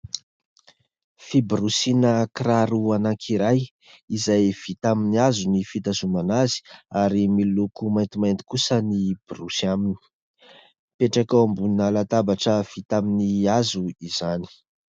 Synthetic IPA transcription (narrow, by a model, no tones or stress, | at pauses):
fibrusinəkraɾuanaŋkʰiɾaj | izajv̥it̪aminiazunifit̪azumanazi̥aɾimilukumajnt̪imajnt̪i̥kusənib̥rusiamini̥ | peʈ͡ʂakawambunnalat̪abaʈ͡ʂəv̥it̪aminiazuiz̥ani̥